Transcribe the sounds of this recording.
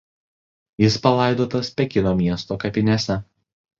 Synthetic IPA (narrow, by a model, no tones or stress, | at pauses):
jɪspɐlˠɑɪd̪oːt̪ɐspʲɛkʲɪnoːmʲiɛst̪oːkɐpʲɪnʲɛsʲɛ